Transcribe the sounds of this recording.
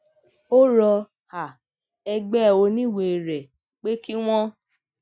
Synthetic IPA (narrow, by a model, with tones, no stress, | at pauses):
o˦ɾɔ˧ | ha˨ | ɛ˧ɡ͡bɛ˦˨o˧nĩ˦˨we˨ɾɛ˨ | k͡pe˦ki˦w̃ɔ̃˦